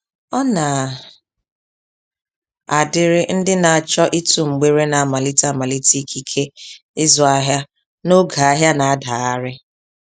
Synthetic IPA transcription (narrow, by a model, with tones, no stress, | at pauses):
ɔ˦na˨ | a˨dɪ˦ɾɪ˦n̩˦dɪ˦na˨a˨t͡ʃɔ˦ʔi˦tu˨ŋ͡m̩˨ɡ͡be˦ɾe˦na˨a˨ma˨li˦ta˦˨ma˨li˦ti˦kʰi˦kʰe˦ | ɪ˦zɔ˨a˦ɦja˦ | no˦ɡa˨a˦ɦja˦na˨a˦da˨a˦ɾɪ˦